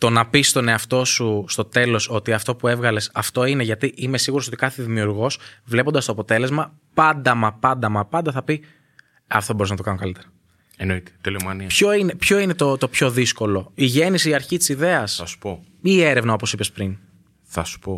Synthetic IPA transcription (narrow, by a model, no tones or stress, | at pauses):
t̪o̞nɐpist̪o̞ne̞ɐft̪o̞sust̪o̞t̪e̞lo̞so̞t̪iɐft̪o̞pue̞vɣɐle̞sɐft̪o̞ine̞ʝɐt̪iʔime̞siɣuɾoso̞t̪ikɐθeðimiuɾɣo̞svle̞pond̪ɐstoɐpo̞t̪e̞le̞zmɐ | pɐnd̪ɐmɐpɐnd̪ɐmɐpɐnd̪ɐθɐpi | ɐft̪o̞bo̞ɾiznɐt̪oɐnokɐlit̪e̞ɾɐ | enoit̪et̪ilimɐnipço̞ine̞pço̞ine̞t̪o̞t̪o̞pço̞ðisko̞lo̞iʝe̞nisiiɐɾçit̪i̥siðe̞ɐsɐsu̥po | ie̞ɾevnɐopo̞sipe̞spɾin | θɐsu̥po